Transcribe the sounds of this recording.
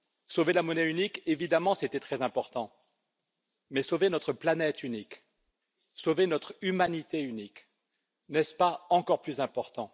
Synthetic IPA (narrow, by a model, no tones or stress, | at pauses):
sovelamɔnɛynikevid̪amɑ̃set̪ɛt̪χɛzɛ̃pɔʁt̪ɑ̃ | mɛsovenɔt̪χəplanɛt̪ʰynik | sovenɔt̪χymanit̪eynik | nɛspaɑ̃kɔʁplyzɛ̃pɔʁt̪ɑ̃